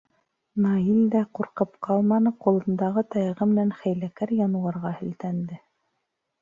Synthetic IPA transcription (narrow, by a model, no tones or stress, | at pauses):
nɑild̪æquɾqɤpqɑlˠmɑnɤqulˠɤ̆nd̪ɑʁɤt̪ɑjʁɤmɘ̆nænχæjlækæɾjɑnuɑɾʁɑhɘ̆lt̪ænd̪ɘ